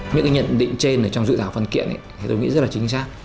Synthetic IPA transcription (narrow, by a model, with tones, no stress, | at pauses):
ɲɨ̰˧˥kːɲə̰˧˨nɗḭ̈˧˨ŋ̟t͡ɕe˧nʔəː˧˩t͡ɕɔ˧wŋ͡mzɨ̰˧˨˩t̪ʰaː˧˩wfə˧nkḭ˧˨ənʔə̰˧˨i˨˩t̪o˧jŋḭ˧˥zə˦˥laː˨˩t͡ɕï˨˦ŋ̟saː˦˥k̚